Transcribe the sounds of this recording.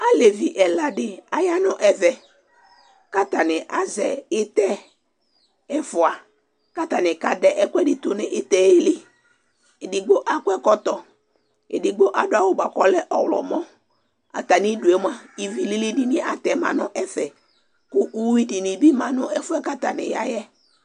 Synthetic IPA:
a˦le˨vi˨ʔɛ˨la˨dɪ˦a˨ja˦nʊ̃˦ʔɛ˨vɛ˨ | ka˦t̪a˨nɪ˨ʔa˨zɛ˨ɪ˦t̪ɛ˦ | ɛ˦fʊ˨a˨ | ka˦t̪a˨nɪ˨ka˨dɛ˨ʔɛ˦kʷɛ˦dɪ˨t̪ʊ˨nɪ˨ʔɪ˦t̪ɛ˨e˦lɪ˦ | e˨dɪ˨ɡ͡bo˦ʔa˦kwɛ˦kɔ˦t̪ɔ˨ | ɪ̰˨dɪ˨ɡ͡bo˦ʔa˨dʊ˦a˨wʊ˦ba˨kɔ˨lɛ˦ʔɔ˨wlɔ̰˨mɔ̃˦ | a̰˨t̪a˨nɪ˦du˨ɛ˦m˦a˦i˨vi˨li˦li˦di˦nɪ˦a˨t̪ɛ˨mã̰˨nʊ̃˦ʔɛ˦fɛ˨ | kʊ˦ʔu˦i˦di˨nɪ˨bi˦mã˨nʊ̃˦ɛ˦fʊ˦ɛ˦ka˦t̪a˨nɪ̰˨ja̰˦jɛ˦

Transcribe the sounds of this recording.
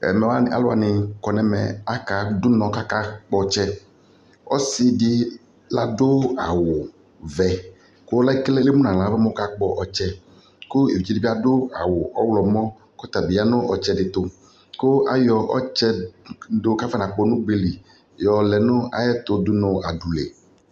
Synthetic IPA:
ɛ̰˨mɛ˨wa˦˨a̰˦lʊ˦a̰˨nɪ˨kɔ˨nɛ˨mɛ̰˨a˦ka˨dʊ˦nɔ̃˨ka˦ka˦k͡pɔ˦t͡ʃɛ˦ | ɔ̰˦sɪ˦dɪ˦ | la˦dʊ˦a˨wʊ˨ | vɛ˨ | kʊ˦la˦i˦klɛ˦le˦mu˦nã˨lã˨˦vɛ˦mɔ˦ka˦k͡pɔ˦ʔɔ˨t͡ʃɛ˦ | kʊ˦ḛ˨vi˨t͡ʃi˦di˦i˦a˦dʊ˦a̰˨wʊ˨ʔɔ̰˦wlɔ˨mɔ̃˦ | kɔ˦t̪a˨bɪ˨˦a˦nʊ̃˦ʔɔ˨t͡ʃɛ˦dɪ˨t̪ʊ˦ | kʊ˦a˦jɔ˨ʔɔ̰˦t͡ʃɛ˦dʊ˦ka˦fɛ˦nã˨k͡pɔ˦˨nʊ̃˦ɡ͡be˨li˨ | jɔ˨lɛ˨nʊ̃˦a̰˨jɛ˦t̪ʊ˨dʊ˦nɔ˨a˨du˨lḛ˨

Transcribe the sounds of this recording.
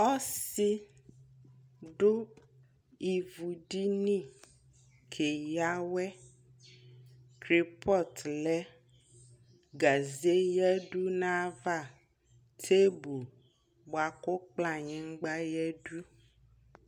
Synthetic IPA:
ɔ˦si˦ | ɖo˦ | i˨vu˨ɖi˦nĩ˦ | kʰe˨ja˦wɛ˦ | kɾi˦pɔ˦tlɛ˨˦ | ɡa˨ze˦jɛ˦ɖu˦nã˦va˦˨ | tʰe˦bu˨ | bo˨a˨ko˦k͡plã˨ɲɛ̃˨ŋ̩˦ɡ͡ba˦jɛ˦ɖu˦

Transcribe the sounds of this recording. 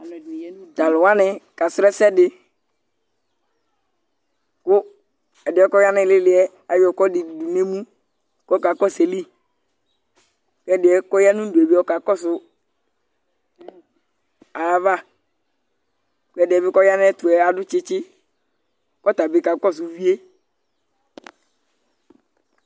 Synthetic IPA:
ta˨lʊ˨wa˦nɪ˨ka˨sɾɛ˦sɛ˦dɪ˨ | kʊ˦ | ɛ˨dɪ˨˦ɛ˦kɔ˦ja˦nɪ˨lɪ˦lɪ˨˦ɛ˦ | a˨jɔ˨kɔ˦dɪ˨du˨du˨ne˦mũ˦ | kɔ˦ka˨kɔ˦se˨li˦ | kɛ˦˨dɪ˨ɛ˨kɔ˦ja˦nʊ̃˦du˨e˨bi˦ɔ˦ka˨kɔ˦sʊ˨ | a˨va˦˨ | kʊ˨˦ɛ˨dɛ˨bɪ˦kɔ˦ja˦nɛ˦tʊ˨ɛ˨a˨dʊ˦t͡ʃɪ˦t͡ʃɪ˦ | kɔ˦t̪a˨bɪ˨˦ka˨˦kɔ˦˨s̬ʊ˨vi˦e˦

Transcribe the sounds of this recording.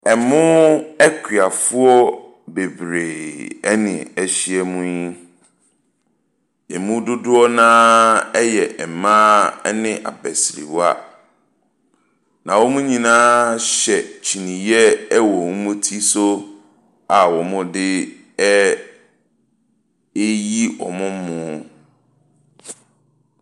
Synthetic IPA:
ɛ˨mʊ̃˦ɛ˦kʰɥa˨fʊ˦ɔ˦ | be˨bɾeː˨ɛ˦nɪ̰̃˨ɛ˦ɕi˦ɛ˦mũ˦ɲĩ˦ | ɛ˨mũ˦dʊ˦dʊ˦ɔ˦nãː˦ɛ˦jɛ˨ʔɛ˨mãː˦ɛ˦nɪ̃˦ʔa̰˨bɛ˨sɾḭ˨wa̰˦ | nã˨wɔ˦mũ˦ɲĩ˨nãː˦ɕɛ˨t͡ɕʰi˨nĩ˨jɛ˦wɔ˨mʊ̃˦mũ˦tʰi˦so˦ | a˨wɔ˨mʊ̃˦dɪ˦ | ɛ˦ | e˦ji˦ɔ̰˨mʊ̃˦mʊ̃˦

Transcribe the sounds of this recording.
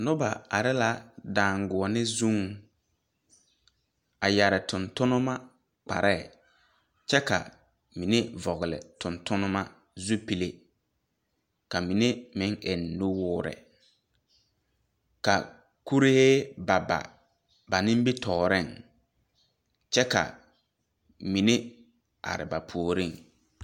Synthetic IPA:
nʊ˦ba˨a̰˨ɾɪ˦la˦daː˨ŋɡʊ˨ɔ˨nɪ˦zũ˦ŋ | a˨ja˨ɾɪ˨tʊ˨ntʊ˦nʊ˦ma˦ | k͡pa̰˨ɾʔɛ˦˨ | t͡ʃɛ˦ka̰˨ | mi˨ne˦vɔ˨ɣɪ˨lɪ̰˨tʊ˨ntʊ˦nʊ˦ma˦ | zu˦pi˨le˨ | ka˨mi˨ne˦mɪ˦ŋʔe˨nːu˦wʊː˦ɾɛ̰˨ | ka̰˨ | ku˦ɾe˦he˦ba˨ba̰˨ | ba˨nɪ̃˦mbi˦tʰɔː˨ɾɪ˦˨ŋ | t͡ʃɛ˦ka̰˨ | mi˨ne˦ | ʔa̰˨ɾɪ̰˨ba˨pʰu˨o˨ɾi˦ŋ

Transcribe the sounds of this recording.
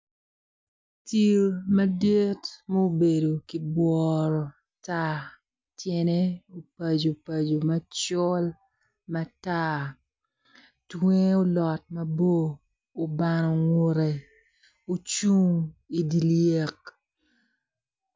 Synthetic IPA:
ti˨ɾmɐ˦de˦tmo˦be˨do˨ki˨bwɔɾɔ˨ | ta˦ | tjɛ˦ne˦o˨pa˨d͡ʒo˨pa˨d͡ʒo˨mɐ˦t͡ʃɔ˦l | ma˦ta˦ | twe˦o˦lɔ˨t̚mɐ˦boː˦˨ | ba˨nɔ˨ŋo˦ɾe˨ | o˨t͡ʃu˦ŋi˨di˨lje˨k

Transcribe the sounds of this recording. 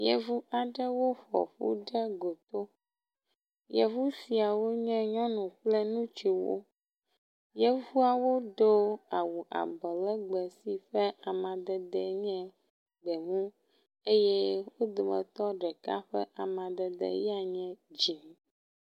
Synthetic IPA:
jɛ̰˨vu˦a˨ɖɛ˦wo˦ɸɔ̰˨ɸṵ˦ɖɛ˦ɡo˨t̪o˦ | jɛ˨vu˦si˨a˨wo˦ɲɛ̃˦ɲɔ̃˦nũ˨k͡plɛ˦nũ˦t͡ʃi˨wo̰˦ | jɛ˦vu˦a˨wo˦ɖo˦a˨wu˨ʔa̰˨bɔ˨lɛ˦ɡ͡bɛ˨si˨ɸɛ˦a˨mã˨d̪ɛ˨d̪ɛ˨ɲɛ̃˦ | ɡ͡bɛ˨ŋũ˦ | e˦je˦wo˦d̪o˨mɛ̰̃˨t̪ɔ˦ɖɛ˨ka̰˦ɸɛ̰˦ʔa˨mã˨d̪ɛ˨d̪ɛ̰˨jɛ˦a˨ɲɛ̃˦d͡ʑi˨nĩ˨

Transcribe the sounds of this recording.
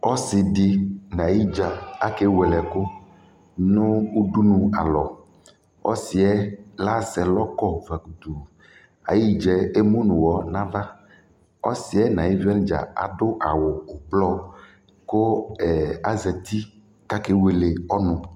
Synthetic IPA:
ɔ˦sɪ˨ɖɪ˨nã˨ji˦d͡ʒa˨a˦ke˦wɛ˨lɛ˨kʊ˦ | nʊ̃˦wu˦du˦nũ˨a˨lɔ˨ | ɔ̰˦sɪ˨ɛ˦la˦sɛ˨lɔ˦kɔ˦va˨ɡu˨d̪u˨ | a̰˨ji˦d͡ʒɛ˨e˦mũ˦nũ˨wɔ˨nã˦va˦ | ɔ̰˦si˨ɛ˦nã˨ji˦vi˦a˦ñ˦d͡ʒa̰˨a̰˨ɖʊ˦ʔa˨wʊː˨blɔ˦ | ko˦ɛ˨a˦zɛ˨t̪i˦ | ka˦ke˦we˨le˨ɔ˦nʊ̃˨

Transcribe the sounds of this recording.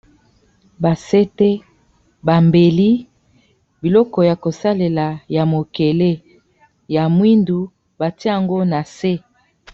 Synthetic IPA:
ba˨se˦te˦ | ba˨mbe˨li˦ | bi˨lɔ˦kɔ˨ja˨ko˨sa˦le˨la˨ja˨mo˨ke˨le˦ | ja˨mwi˦ndu˨ | ba˨ti˦a˨ŋɡo˦na˨se˦

